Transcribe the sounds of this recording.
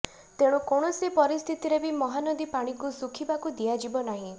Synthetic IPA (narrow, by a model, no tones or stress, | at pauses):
t̪eɽ̃ũkɔɽ̃ɔsipɔɾist̪ʰit̪iɾebimɔɦanɔd̪ipaɽ̃ikusukʰibakud̪iad͡ʒibɔnaɦĩ